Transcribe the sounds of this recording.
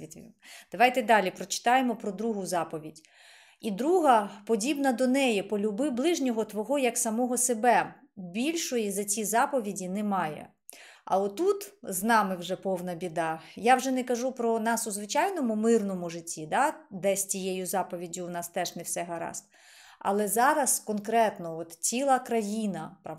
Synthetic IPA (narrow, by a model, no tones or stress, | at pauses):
it̪ʲd̪̥ɐʋɑjt̪ɛd̪ɑlʲipɾɔt͡ʃɪ̥t̪ɑjemɔpɾɔd̪ɾuɦʊzɑpɔʋʲidʲ | id̪ɾuɦɐpɔdʲibnɐd̪ɔnɛjɛpɔlʲʊbɪblˠɪʒnʲɔɦɔt̪ʋɔɦɔjɐksɐmɔɦɔsebɛ | bʲilʲʃɔjizɐt͡sʲizɑpɔʋʲidʲinɛmɑjɛ̰ | ɐ̰lˠɛt̪ut̪znɑmɪwʒɛpɔwnɐbʲid̪ɑjawʒɛnɛkɐʒupɾɔnɑsʊzʋɪt͡ʃɑjnɔmʊmɪrnɔmʊʐɪtʲːid̪ɑd̪ɛsʲtʲijejʊzɑpɔʋʲidʲʊːnɑst̪ɛʃnɛwsɛɦɐɾɑ̰st̪ | ɐ̰lˠɛzɑɾɐskɔnkɾɛt̪nɔɔt̪t͡sʲilˠɐkɾɐjinɐp